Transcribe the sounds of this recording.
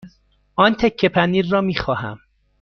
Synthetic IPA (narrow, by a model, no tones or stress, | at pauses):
ʔɒːnt̪ʰe̞kʰːe̞pʰæniːɾːɒːmiːxɒːɦæ̰m